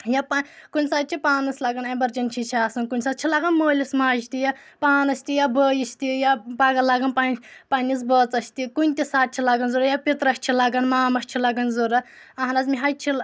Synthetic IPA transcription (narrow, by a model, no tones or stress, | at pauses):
japakunʲsaːt̪̚t͡ʃʰipaːnɐslɐɡɐnembɐɾd͡ʒɐnʲt͡ʃʰit͡ʃʰiaːsɐnkunʲsaːt͡ʃʰilɐɡɐnmoːlʲismaːt͡ʃt̪ijapaːnɐsʲt̪ijabəːjist̪ijabɐɡɐlɐɡɐnpanpɐnʲis̬bɐːt͡sɐsʲt̪ikunʲt̪isaːt̪̚t͡ʃʰilɐɡɐnzuɾɐjapit̪ɾɐsʲt͡ʃʰilɐɡɐnmaːmɐʃʲt͡ʃʰilɐɡɐnzuɾɐ | ɐɦnɐzmʲiɦɐjt͡ʃʰil